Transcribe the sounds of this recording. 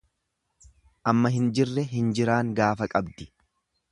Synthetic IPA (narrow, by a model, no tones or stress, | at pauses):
ʔɐmːɐɦɪnd͡ʒɪrːɛɦɪnd͡ʒɪɾaːŋɡaːfɐkʼɐbd̪ɪ